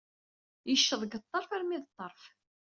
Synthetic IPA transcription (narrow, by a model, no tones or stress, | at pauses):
jəʃːəðˤɡət̪ˤːɑɾˤfaɾmiðt̪ˤːɑɾˤf